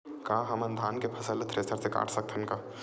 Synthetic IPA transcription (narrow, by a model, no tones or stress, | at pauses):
kaːɦɐmənd̪ʱaːnkepʰɐsəlt̪ʰɾeːsəɾseka̰ːʈʰsək̚t̪ʰənka